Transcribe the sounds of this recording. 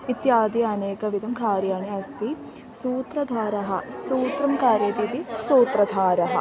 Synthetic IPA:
it̪jaːd̪ijɐːneːkɐʋid̪ʱɐmkaːɾjaɳɐɐst̪i | suːt̪ɾɐd̪ʱaːɾɐɦɐsuːt̪ɾɐmkaːɾjɐt̪it̪isuːt̪ɾɐd̪ʱaːɾɐɦɐ̰

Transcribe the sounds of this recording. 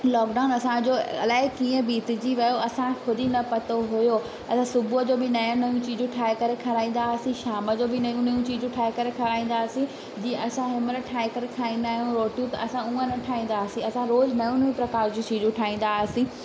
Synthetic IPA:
lɔːkɖaːʊnɐsãd͡ʑoɐ̰laːɪkiːə̃biːt̪ɪd͡ʑiʋɐjoɐsãkʰʊd̪ɪnɐpɐt̪oɦʊjo | ɐsãsʊbʱuəd͡ʑoːbɪnɐjõnɐjũt͡ɕiːd͡ʑũʈʰaːɪkɐɾekʰɐɾaːĩːnd̪asĩʃaːməd͡ʑoːbɪnɐjũnɐjũt͡ɕiːd͡ʑũʈʰaːɪkɐɾekʰɐɾaːĩːnd̪aːsĩ | d͡ʑiːẽʔɐsãɦɪməɾʈʰaːɪkɐɾekʰɾaːĩːnd̪aːɦijũɾoːʈijũt̪ɐɐsãũə̃nɐʈʰaːĩːn̆d̪aːsĩɐsãɾoːznɐjũnũpɾɐkaːɾd͡ʑũt͡ɕiːd͡ʑũʈʰaːĩːn̆d̪asĩː

